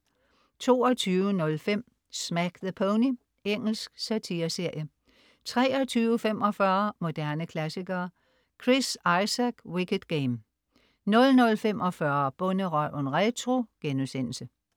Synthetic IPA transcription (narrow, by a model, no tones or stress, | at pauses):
t͡sʰo̝̰ːɒt͡sʰyːʋənɔ̽lfem̰ | smæɡ̥ðəpʰoʊni | eŋ̰l̩sɡ̥sæt͡sʰiɐse̝ɐ̰jə | t͡sʰʁɛ̰ːɒt͡sʰyːʊəfem̰ɒ̽fɶɐmo̝d̥æɐnəkʰlæsiɡ̥ɐː | kʰʁisɑ̈ɪsæɡ̥wikəd̥ɡ̥eɪm | nɔ̽lnɔ̽lfemʔɒfɶɐb̥ɔ̽nəʁɒʔonʁet͡sʰʁo̝ɡ̥enusen̰l̩sə